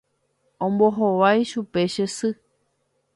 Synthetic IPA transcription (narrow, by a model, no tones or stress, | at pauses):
õmboɦoʋajʃupe̞ʃesɨ